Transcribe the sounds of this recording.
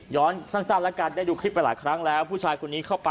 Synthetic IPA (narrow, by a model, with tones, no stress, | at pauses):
jɔː˦˥nsa˥˩nsaː˥˩p̚lɛ˦˥kaː˧ndaː˥˩jduː˧kʰɾi˦˥p̚ːa˧jlaː˩˦jkʰɾa˦˥ŋlɛː˦˥wpʰuː˥˩t͡ɕʰaː˧jkʰo˧nːiː˦˥kʰa˥˩wpa˧